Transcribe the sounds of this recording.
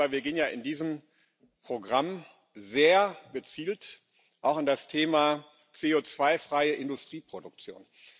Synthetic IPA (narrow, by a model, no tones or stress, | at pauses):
aɪviɐɡeːənjaːʔɪndiːzəm | pʁ̥oɡʁam | zeːɐɡ̥ət͡siːlt | ʔaʊxɪndastʰeːmaː | t͡seːoːt͡sv̥aɪfʁ̥aɪəʔɪndʊstʁ̥iːpʁ̥odʊk̚t͡sjo̰ːn